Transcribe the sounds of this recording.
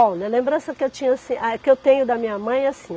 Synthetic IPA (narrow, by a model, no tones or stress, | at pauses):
awlɐlẽmbɾɐ̃sɐkɪewt͡ʃĩɲɐasĩakɪewt̪ẽjɲʊd̪ɐmĩɲɐmɐ̃j̃asĩ